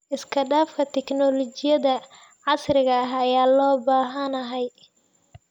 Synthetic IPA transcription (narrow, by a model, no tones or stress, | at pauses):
ʔɪskʰɐɖaːfkʰɐt̪ʰɛknɔlɔt͡ʃɪjɐðɐ | ʕɑsrɪɣɐɐɦɐjaːlɔːbaːɦɐnɐɦɛj